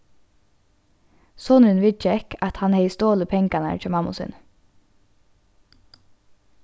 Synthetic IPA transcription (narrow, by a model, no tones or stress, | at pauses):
sɔnʉnʋɪt͡ʃɛkʰɑt̪hɑnheɪst̪oːləpʰɛŋkɑnə̰ɾc͡çoːmɑmʊ̰sʉ̰n